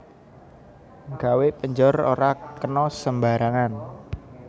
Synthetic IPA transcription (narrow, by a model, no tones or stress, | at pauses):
ŋɡawepəɲd͡ʒɔro̰ɾakənɔsəmbaɾaŋan